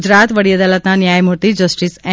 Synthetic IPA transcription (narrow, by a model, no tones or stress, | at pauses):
d͡ʒɾat̪ʋəɽijəd̪alət̪nanjajmuɾt̪id͡ʒəsʈisɛ̃